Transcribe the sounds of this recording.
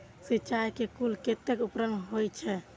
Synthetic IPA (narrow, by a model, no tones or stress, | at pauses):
sit͡ʃajkekulket̪ːekupɾənɦojt͡ʃʰɛ